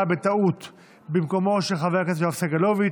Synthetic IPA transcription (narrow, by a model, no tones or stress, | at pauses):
abet̪aut̪ | bimko̞mo̞ʃeχavekat̪afsaɡalovi